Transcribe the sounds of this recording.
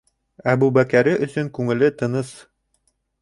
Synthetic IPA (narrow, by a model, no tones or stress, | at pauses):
æbʉbækæɾɘʔɵ̆sɵŋkʉŋɘ̆lɘt̪ɤ̆nɤs